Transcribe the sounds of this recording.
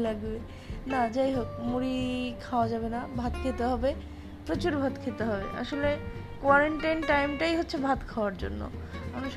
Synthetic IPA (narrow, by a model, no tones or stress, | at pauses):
laɡbe | nad͡ʑajɦokmuɾikʰaoad͡ʑabenabʱat̪kʰet̪eɦɔbe | pɾot͡ɕuɾbʱat̪kʰet̪eɦɔbḛʔa̰ʃole | kwaɾeɳʈajnʈajmʈajɦotːɕʰebʱat̪kʰaoaɾd͡ʑo̰nːo̰manuʃ